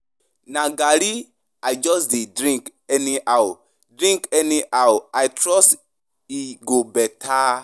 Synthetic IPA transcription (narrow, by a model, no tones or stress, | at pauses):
nãɡaɾi | ajd͡ʒɔsdidɾĩŋkɛniaw | dɾĩŋkɛniʔawajtɾɔs | iɡobɛtʰa